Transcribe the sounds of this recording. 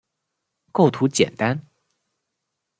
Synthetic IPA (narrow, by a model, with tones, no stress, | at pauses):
ko˥˩ʊt̪ʰu˧˥t͡ɕjɛ̰˨˩nt̪a˥n